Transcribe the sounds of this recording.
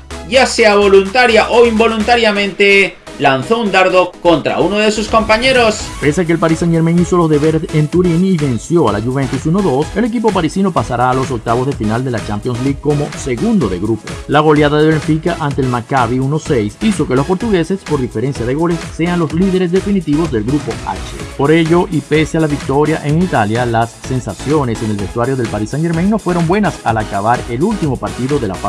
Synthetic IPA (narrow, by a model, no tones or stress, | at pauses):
ɟ͡ʝase̞aβo̞lunt̪aɾjaʔoimbo̞lunt̪aɾjamẽ̞nt̪e̞ | lanθo̞und̪aɾðo̞ko̞nt̪ɾa̰uno̞ðe̞susko̞mpaɲe̞ɾo̞spe̞sakelpaɾisaɲe̞ɾmeŋiso̞lo̞zðe̞βe̞ɾese̞nt̪uɾiniβe̞nsjo̞alaʝuβe̞nt̪usuno̞ðo̞se̞le̞k̬ipopaɾisino̞pasaɾaːlo̞s̬o̞k̚t̪aβo̞zðe̞finald̪e̞lat͡ʃampjo̞ns̬liɡko̞mo̞se̞ɣund̪o̞ðe̞̰ɣɾupolaɣ̞o̞ljaðaðe̞βeɱfikaʔant̪e̞eːlmakaβiuno̞se̞jsiso̞kelo̞spo̞ɾt̪uɣe̞se̞spo̞ɾðife̞ɾe̞nsjað̞e̞ɣo̞le̞sːe̞anlo̞sliðe̞ɾe̞s̬ðefinit̪iβo̞zðe̞lɣɾupo̞a̰t͡ʃḛpo̞ɾe̞ʝo̞ʔipe̞sealaβik̚t̪o̞ɾjaʔeŋit̪aljalasːe̞nsasjo̞ne̞senelβe̞st̪waɾjo̞ðe̞lpaɾisanʝe̞ɾmeŋno̞fwe̞ɾo̞mbwe̞nasalakaβaɾe̞lult̪imo̞paɾt̪iðo̞ðe̞la̰fa